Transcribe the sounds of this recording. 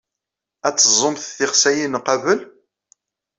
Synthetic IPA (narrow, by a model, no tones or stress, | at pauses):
æt͡sːəzˤomθθɪχsæjinqɑvəl